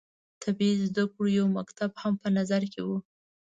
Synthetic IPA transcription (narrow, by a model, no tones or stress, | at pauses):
t̪ʰabizd̪akɽujawmakt̪abhampənazaɾkewu